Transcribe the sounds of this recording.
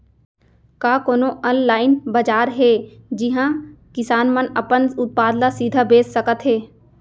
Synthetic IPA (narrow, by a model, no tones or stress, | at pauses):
kaːkoːnoʔənlaːɪnbɐd͡ʒaːɾɦɛːd͡ʒɪɦãkɪsaːnmənɐpənʊt̪̚paːd̪lasiːd̪ʱabeːsːəkət̪ɦeː